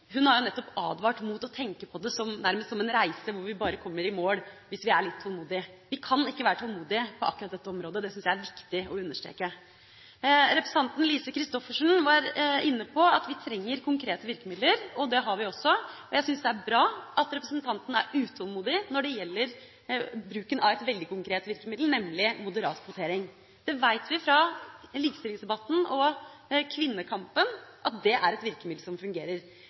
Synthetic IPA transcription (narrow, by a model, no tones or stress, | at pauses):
ɦʉnhɑɾjʊnɛt̪ːɔpɑ̰ːd̪ʋɑːʈmuːt̪ɔt̪ʰɛŋkəpʰɔd̪ɛsɔmnæɾməst̪sɔmɛnɾæɪsəʋʊɾʋɪbɑːɾəkʰɔmːəɾɪmoːɽʋɪsʋɪæɭɪt̪ʰːɔlˠmuːd̪ɪʋɪkʰɑnɪkːəʋæːɾəʈtʰɔlmuːd̪ɪpʰɔʔɑ̰kːɾɑt̪̚d̪ɛt̪ːəɔmɾoːd̪əd̪ɛsʏnsjæɪæɾʋɪkt̪ɪɔʉnːəʂʈɾḛːkə | ɾɛpɾsɑnt̪n̩liːsəkʰɾɪst̪ɔfəʂɳ̩ʋɑɾɪnːəpʰɔɑt̪ʋɪt̪ʰɾɛŋːəɾkʰʊŋkʰɾeːt̪əʋɪɾkəmɪd̪ləɾɔd̪ɛɦɑɾʋɪɔsːɔɔjæɪsʏnsd̪ɛæɾbɾɑːʔɑt̪ɾɛpɾəsənt̪ʰɑnt̪ən̩æɾʉːt̪ʰɔlˠmuːd̪ɪnɔɖɛjɛlːəɾ | bɾʉːkənɑʋɛt̪ʋɛld̪ɪkʊŋkɾeːt̪ʋɪɾkəmɪd̪l̩nɛmːlɪmʊd̪əɾɑ̰ːt̪kʰʋʊt̪ʰeːɾɪŋ | d̪̥ɛʋæɪt̪ʋɪfɾɑliːkəst̪ɪlɪŋsd̪ɛbɑt̪ːn̩ɔkʰʋɪnːəkʰɑmpənʔɑt̪̚d̪ɛʔæɾɛt̪ʋɪɾkəmɪd̪l̩sɔmfʉŋɡeːɾəɾ